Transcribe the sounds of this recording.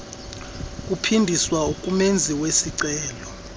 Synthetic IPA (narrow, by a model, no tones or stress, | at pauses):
kʼupʰindʱiswaukʼumend͡zʱiwesiǀɛːlɔ